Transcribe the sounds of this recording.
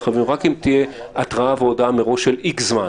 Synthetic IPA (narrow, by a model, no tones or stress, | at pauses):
χavimʁakimt̪ijeʔat̪ʁaaveodameʁo̞ʃelikzma